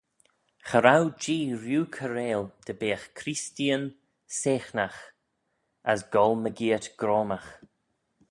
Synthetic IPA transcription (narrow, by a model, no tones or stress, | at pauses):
xəɾawd͡ʒiːɾjuːkʰəɾeːld̪̥əbeːxkʰɾistiən | seːxnax | əsɡɔlməɡiːətɡ̥ɾoːmax